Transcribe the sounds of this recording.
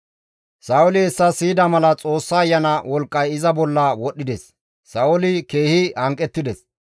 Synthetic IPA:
sɐʊlɪɛsːɐsiːd̪ɐmɐlɐt͡sʼo̞ːsːɐːjːɐnɐwɔlkʼːɐjɪzɐbɔlːɐwɔɗːɪd̪ɛsː | ɐʊlɪke̞ːhɪhɐŋkʼːɛt̪ːɪd̪ɛs

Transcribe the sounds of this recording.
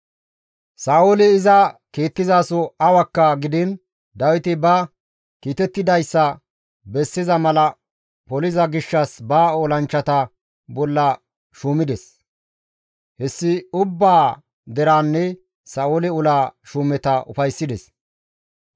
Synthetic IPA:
saːʔolɪɪzɐkeːt̪ːɪzaːsɔɐwɐkːɐɡɪd̪ɪn | d̪ɐwɪt̪ɪbɐ | kiːt̪ɛt̪ːɪd̪ɐjsːɐ | bɛsːɪzɐmɐlɐ | pɔlɪzɐɡɪʃːɐsbaːoːlɐnt͡ʃːɐt̪ɐ | bɔlːɐ | ʃuːmɪd̪ɛs | hɛsːɪʊbːaː | d̪ɛɾaːnːɛ | sɐːolɪʊlaːʃuːmɛt̪ɐʔʊ̰fɐjsːɪd̪ɛs

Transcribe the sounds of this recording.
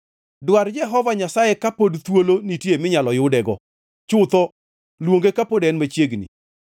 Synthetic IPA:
dward͡ʒɛɦɔvaɲasajekapodt̪wolonitjemɪɲalɔjʊdɛɡɔ | t͡ʃʊt̪ɔ | lwoŋɡekapodɛnmat͡ʃjeɡnḭ

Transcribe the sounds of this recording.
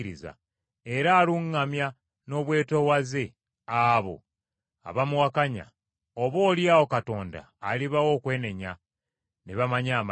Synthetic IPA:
ɾiza̰ | e̞ɾaːluŋːamja | no̞βwe̞ːto̞waze̞ | aβo̞̰ | a̰βamuwakaɲa̰ | oβo̞ːljaːwo̞kato̞ːnda̰ːliβawo̞ːkwe̞ːne̞ɲa | neβamaɲaːm

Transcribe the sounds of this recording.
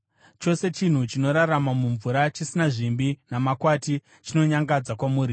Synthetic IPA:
t͡ʃo̞se̞t͡ʃin̤ut͡ʃino̞ɾaramamuɱvuɾat͡ʃisinaʐimbinamakwati | t͡ʃino̞ɲaŋɡad͡zakwamuːɾi

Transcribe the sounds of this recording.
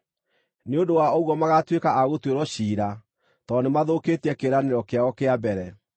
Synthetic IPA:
neondowaoɣwɔmaɣatwekaʔaɣotweɾɔɕiːɾa | tɔnemaðoketɛkeɾaneɾɔkeaɣɔkeabɛɾɛ

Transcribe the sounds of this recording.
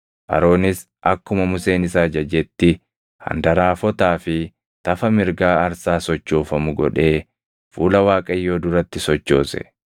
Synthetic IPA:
ʔɐ̰ɾo̞ːnɪs | ʔɐkːʊmɐmʊse̞ːnɪsaːd͡ʒɐd͡ʒɛt̪ːɪ | hɐ̰nd̪ɐɾaːfɔt̪aːfɪ | t̪ɐfɐmɪɾɡaːɐɾsaːsɔt͡ʃːoːfɐmʊɡɔ̰ᶑe̞ː | fuːlɐwaːkʼɐjːo̞ːd̪ʊɾɐt̪ːɪsɔt͡ʃːo̞̰ːsɛ̰

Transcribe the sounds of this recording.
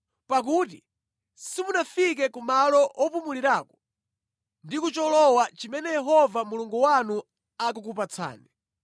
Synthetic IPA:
pak̬uti | simunafik̬ɛkumalɔʔɔpumuliɾakɔ̥ | ndikut͡ʃɔlɔwat͡ʃimɛnɛjɛɦɔvamuluŋɡuwanu | ak̬uk̬up̬at͡sʰa̰ːnɛ

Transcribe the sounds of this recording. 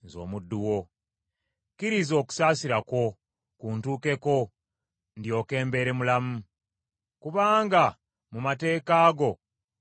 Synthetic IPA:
zo̞̰ːmudːuwo̞ | kiɾizo̞ːku̥saːsiɾako̞ | kuːntuːke̞ko̞ | ndjo̞ːke̞ːmbe̞ɾe̞mulamu | kuβaːŋɡa | mumate̞ːkaːɡo̞

